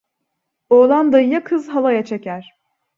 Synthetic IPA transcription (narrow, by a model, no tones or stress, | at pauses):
oːlˠand̪ajɯjakʰɯzɦalˠajat͡ʃʰe̞cʰæɾ̥